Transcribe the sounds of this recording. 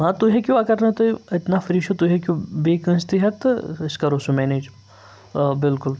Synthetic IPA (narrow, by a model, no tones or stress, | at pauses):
ɦãt̪uɦekʲuʋɐkɐɾnɐt̪oiɪt̪nafɐɾiːʃot̪uɦekʲjũbeːkə̃nst̪iɦɐt̪ɪskaɾoːsumɛːneːd͡ʒ | bɪlkʊl